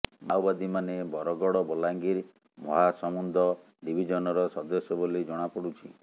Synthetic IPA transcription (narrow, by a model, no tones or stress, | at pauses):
mawbad̪imanebɔɾɔɡɔɽɔbɔlaŋɡiɾ | mɔɦasɔmund̪ʱɔ | ɖibʱid͡ʒɔnɔɾɔsɔd̪ɔsjɔbolid͡ʒɔɽ̃apɔɽut͡ʃʰi